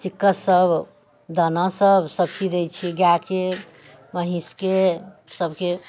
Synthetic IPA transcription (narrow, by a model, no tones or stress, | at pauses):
t͡ʃikːəsəb | d̪ənasəbsəb̚t͡ʃid̪et͡ʃʰiɡjake | məɦĩskesəbʱke